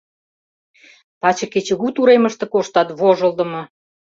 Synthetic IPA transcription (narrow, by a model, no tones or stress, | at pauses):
pɑt͡ɕɤ̆ket͡ɕə̆ɣut̪uɾemə̆ʃt̪ĕkoʃt̪ɑt̪βoʒə̆ld̪ə̆mɤ̆